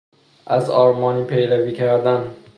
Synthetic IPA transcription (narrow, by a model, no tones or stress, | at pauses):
ʔæzɒːɾmɒːniːpʰejɾæviːcʰæɾd̪æn